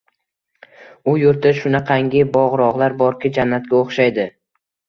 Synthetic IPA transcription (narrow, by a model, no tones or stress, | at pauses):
ʊjʊɾt̪ʰɪʃʊnaqʰɑŋɡʲɪbɒʁɾɒʁlˠaɾbɒɾkʲɪd͡ʒanːat̪̚kʲaoχʃajd̪ɪ